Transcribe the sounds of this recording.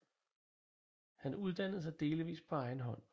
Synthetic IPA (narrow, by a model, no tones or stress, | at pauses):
hænuð̞ˠd̥æn̰ð̩ˠs̬ɑ̈ɪd̥e̝ːliʋḭːspʰɒ̽ɑ̈ɪn̩ɦɒ̽n̰